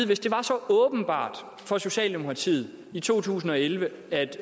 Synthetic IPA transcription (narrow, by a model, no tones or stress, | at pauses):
ʋe̝sd̥e̝ʋɑ̈sɒ̽ɔːb̥n̩b̥ɑ̰̈ːd̥ | fɒ̽so̝ɕɛ̰ːld̥emo̝kʰʁɑ̈t͡sʰḭːð̩ˠ | it͡sʰo̝̰ːt͡sʰṵːsn̩ɒ̽elʋə | æd̥